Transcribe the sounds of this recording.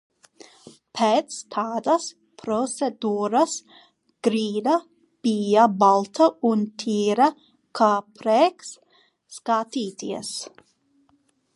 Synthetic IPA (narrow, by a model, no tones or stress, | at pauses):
pʰɛːt̪st̪ʰaːd̪ɐs | pʰɾɔt̪sed̪uːɾas | ɡ̥ɾiːd̪ɐ | pijabalˠt̪ʰɐunt̪ʰiːɾɐ | kʰaːpʰɾɛksː | kaːt̪iːt̪iɛs